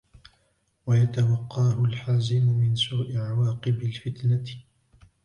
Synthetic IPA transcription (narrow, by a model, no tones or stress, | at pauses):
wajat̪awɑqːɑːhʊlħaːzɪmʊmɪnsuːʔɪʕawɑːqɨbɪlfɪt̪na